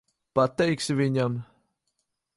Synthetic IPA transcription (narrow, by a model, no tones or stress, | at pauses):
pat̪ɛjksivʲiɲam